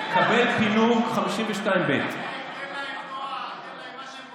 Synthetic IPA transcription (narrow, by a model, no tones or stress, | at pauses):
kabelpiluχamiʃimveʃtaimbet